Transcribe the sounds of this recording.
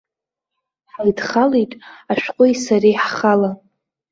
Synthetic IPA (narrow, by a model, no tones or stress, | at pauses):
ħajdχalejtʼaʃᶣqʷʼʊjsarijħχala